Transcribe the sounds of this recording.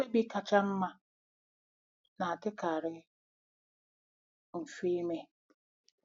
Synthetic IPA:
e˦ɡ͡bi˦ka˨t͡ʃa˦m̩˦ma˦ | na˨a˨tɪ˦ka˨ɾɪ˦ | m̩˨fi˦me˦

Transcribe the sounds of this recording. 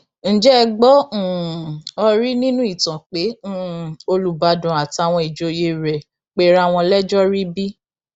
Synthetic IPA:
n̩˨d͡ʒɛ˦˧ɡ͡bɔ̃˦˨ɔ˧ɾi˦nĩ˦nũ˦i˦˨tã˨k͡pẽ˨˦˨o˧lu˨˦ba˧dɔ̃˨a˨ti˧a˧˨w̃ɔ̃˧i˨d͡ʒo˧je˦˨ɾɛ˨ | k͡pe˦ɾa˦˨w̃ɔ̃˧lɛ˦d͡ʒɔ˦ɾi˦bi˦

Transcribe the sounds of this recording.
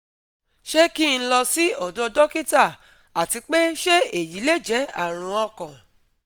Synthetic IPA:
ʃe˦ki˦˨ñ̩˦lɔ˧si˦ɔ˨dɔ˧dɔ˦ki˦ta˦˨ | a˨ti˧k͡pe˦ʃe˦e˨ji˨˦le˦˨d͡ʒɛ˨˦a̰˦˨ɾ̃ũ˧ɔ̃˧kɔ̃˨

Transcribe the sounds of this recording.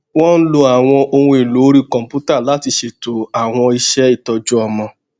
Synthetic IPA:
w̃ɔ̃˦n̩˦lo˧a˨w̃ɔ̃˧o˧hũ˧i˨lo˨˦ɾi˦kɔ̃˨m̩˨pu˦ta˦˨la˨˦ti˧ʃe˧to˨a˨w̃ɔ̃˧i˧ʃɛ˦i˦˨tɔ˧d͡ʒu˦ɔ˧mɔ̃˧

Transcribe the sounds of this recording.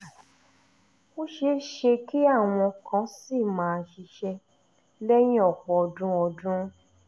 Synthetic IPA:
o˦ʃe˧ʃe˧ki˦a˦˨w̃ɔ̃˧kã˨˦si˦˨mãː˨˦˧ʃi˧ʃɛ˧ | lɛ˦j̃ĩ˦ɔ˦˨k͡pɔ˨ɔ˧˨dũ˦ɔ˧dũ˦

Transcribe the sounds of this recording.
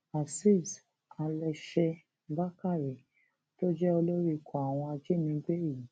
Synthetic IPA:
a˨si˦˨s | a˧lɛ˧ʃe˧ | ba˦ka˦˨ɾi˨ | to˦d͡ʒɛ˦o˧lo˦ɾi˦˨kʰɔ̃˨a˨w̃ɔ̃˧a˧d͡ʒi˦nĩ˨˧˦ɡ͡be˦˨i˨

